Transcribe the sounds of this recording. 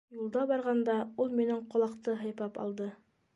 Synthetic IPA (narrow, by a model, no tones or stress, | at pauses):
julˠd̪ɑbɑɾʁɑnd̪ɑulˠminɘɴqŏlˠɑqt̪ɤɦɤ̆jpɑpɑ̰lˠd̪ɤ